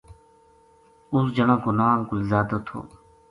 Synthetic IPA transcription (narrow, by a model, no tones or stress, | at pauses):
ʊsd͡ʒənãːkonaːmkʊlzaːd̪ot̪ʰo̰ː